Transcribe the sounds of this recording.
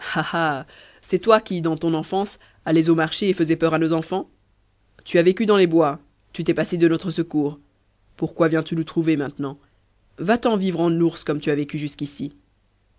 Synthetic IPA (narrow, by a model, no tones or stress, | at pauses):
haha | sɛt̪wakʲid̪ɑ̃t̪ɔ̃nɑ̃fɑ̃s | alɛzomaʁʃeːfəzɛpœʁanozɑ̃fɑ̃ | t̪yavekʲyd̪ɑ̃lebwa | t̪yt̪ɛpased̪ənɔt̪χəsəkuːʁ | puʁkwavjɛ̃t̪ynut̪χuvemɛ̃t̪nɑ̃ | vat̪ɑ̃vivʁɑ̃nuʁskɔmt̪yavekʲyʒyskʲisi